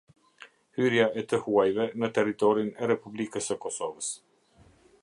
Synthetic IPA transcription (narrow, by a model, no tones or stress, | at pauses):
hyɾjaɛt̪əhuajvɛnət̪ɛrit̪ɔɾinɛɾɛpublikəsəkɔsɔvəs